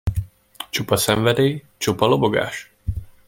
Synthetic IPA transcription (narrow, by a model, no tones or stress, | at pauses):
t͡ʃupɒsɛɱvɛd̪eː | t͡ʃupɒloboɡa̰ːʃ